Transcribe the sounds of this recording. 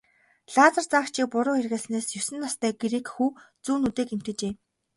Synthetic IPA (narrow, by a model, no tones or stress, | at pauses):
ɮaːt͡sə̆rt͡saːkt͡ɕʰiːk̚pʊɾʊːxerɣĕːsneːsjɵsɘ̆nːɔst̪ʰœːɡeɾiːkxuː | t͡suːnut̪eːkem̥t̪ɘ̆t͡ɕeː